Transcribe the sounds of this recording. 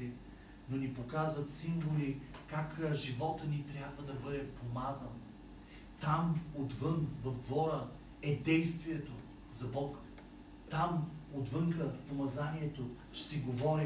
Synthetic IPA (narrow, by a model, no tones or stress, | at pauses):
i | nonipokazvət̪siɱvolikakʒivɔt̪ənit̪ɾʲjabvəd̪ɐbɤd̪ɛpomazən | t̪amod̪vɤnvɐvd̪vɔɾə | ɛd̪ɛjst̪viɛt̪o | zɐbɔk | t̪amod̪vɤŋkəpomɐzaniɛt̪o | ʃsiɡovɔɾi